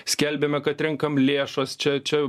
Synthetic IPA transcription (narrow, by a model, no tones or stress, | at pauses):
sʲkʲɛlʲbʲeːmʲɛkɐt̪ɾʲɪŋkɐmlʲeːʃɐst͡ʃʲɛt͡ʃʲɛ